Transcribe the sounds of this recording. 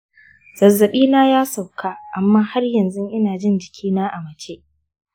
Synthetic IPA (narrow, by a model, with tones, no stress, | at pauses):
z̥ɐ˨zːɐ˨ɓiː˦naː˦jaː˦sa˨wkʰaː˦ʔa˨mːaː˦ha˦rjɐ˨nzʊ˦ŋʔɪ˦naː˨d͡ʒɪ˦nd͡ʒɪ˨kʲiː˦naː˦ʔa˨mɐ˨t͡ʃe˦ʔ